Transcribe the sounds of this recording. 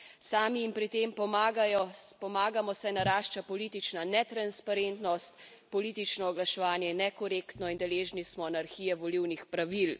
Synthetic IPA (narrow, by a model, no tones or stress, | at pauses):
saːmiːmpɾit̪eːmpɔmaːɡajɔpɔmaːɡamɔsɛnaɾaːʃt͡ʃapɔliːt̪it͡ʃnanɛt̪ɾanspaɾent̪nɔst̪ | pɔliːt̪it͡ʃnɔːɡlaʃɛʋaːnjɛnɛkɔɾekt̪nɔind̪ɛleːʒnismɔnaɾxiːjɛʋɔliwnixpɾaʋil